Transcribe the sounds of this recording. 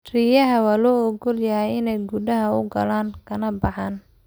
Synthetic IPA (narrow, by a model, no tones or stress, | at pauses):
rijɐɦɐwaːlɔːɔɡɔljɐɦɛjɪnɛjɡudɐɦɐʊɡɐlaːŋkʰɐnɐbɑħaːn